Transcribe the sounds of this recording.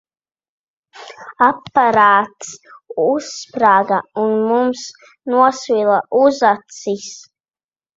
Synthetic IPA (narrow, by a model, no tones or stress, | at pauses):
apːaɾaːt̪suspɾaɡaunmums | nuɔsvilˠaʔuzat̪sis